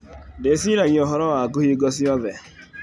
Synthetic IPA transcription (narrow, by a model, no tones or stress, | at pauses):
des̬inaɲɔɦɔɾɔwaaɡʊɦiɡɔs̬iɔðe